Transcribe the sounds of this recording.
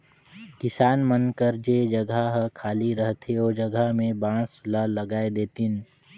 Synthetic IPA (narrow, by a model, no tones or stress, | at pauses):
kɪsaːnmənkəɾd͡ʒeːd͡ʒɐɡʱaɦkʰaːliɾəɦt̪ʰeoːd͡ʒɐɡamẽbãːslaləɡaːed̪eːt̪ɪn